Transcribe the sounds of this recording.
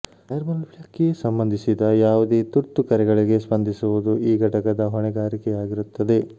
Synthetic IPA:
ɐjɐɾmɐlbjakːesɐmbɐnd̪ʱisid̪ɐjaːʋud̪eːt̪uɾt̪ːukɐɾɛɡɐɭiɡe̞spɐnd̪ʱisuʋud̪uʔiːɡʱɐʈɐkɐd̪ɐɦɔɳɛɡaːɾikɛjaːɡiɾut̪ːɐd̪e̞

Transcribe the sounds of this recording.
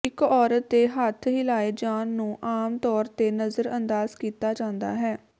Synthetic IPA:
ɪkɔːɾət̪̚d̪eːɦət̪ʰɦɪlaːeːd͡ʒaːnːũːʔaːmt̪ɔːɾt̪eːnəzəɾənd̪aːzkiːt̪aːd͡ʒãːnd̪a̰ːɦɛː

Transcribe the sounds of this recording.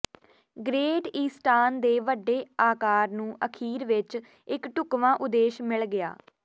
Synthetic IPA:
ɡɾeːɖiːsʈaːnd̪eːʋəɖːeːaːkaːɾnũːʔəkʰiːɾʋɪt͡ʃ | ɪkʈʊkʋãːʔʊd̪eːʃmɪlɡɪja̰ː

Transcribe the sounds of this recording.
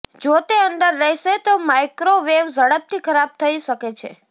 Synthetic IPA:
d͡ʒot̪eənd̪əɾːəiʃet̪omajkɾoʋeʋzəɽəp̚t̪ʰikʰəɾab̚t̪ʰəiʃəket͡ʃʰḛ

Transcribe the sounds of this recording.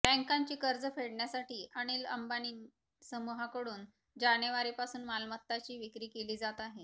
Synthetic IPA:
bɛ̃ŋkaɲt͡ɕiːkəɾd͡zəfeɽɳjasaʈiːʔəɽ̃iːlə̰mbaniːn | səmuɦakəɽuːn | d͡ʑaneʋaɾipasuːnmalmət̪ːat͡ɕiːʋikɾiːkeliːd͡zat̪aɦe

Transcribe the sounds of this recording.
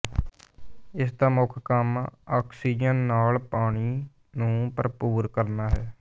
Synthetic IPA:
ɪs̬d̪aːmʊkʰkəmaːkʰsiːd͡ʒənːaːlpaːɽ̃iː | nũːpəɾpuːɾkəɾnaːɦɛː

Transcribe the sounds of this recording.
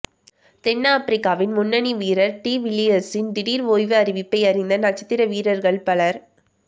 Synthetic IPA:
t̪ɛnːaːpɾɪkːaːʋɪnmʊnːɐniʋiːɾɐɾʈiːʋɪlɪɐsɪnd̪ɪɽiːɾoːjʋɯɐɾɪʋɪpːɐɪɐɾɪnd̪ɐnɐt͡ʃːɐ̥t̪ːɪɾɐʋiːɾɐɾɣɐɭpɐɭɐɾ

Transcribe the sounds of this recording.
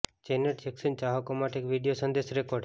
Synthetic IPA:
t͡ʃenəʈt͡ʃeksənt͡ʃaɦəkomaʈeekʋiɖijosənd̪eʃɾekoɾɖ

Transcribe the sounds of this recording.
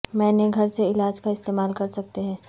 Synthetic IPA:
mɛ̃ːneɡʱɐɾseɪlaːd͡ʒkaɪst̪eːmaːlkɐɾsɐk̚t̪eɦɛ̃ː

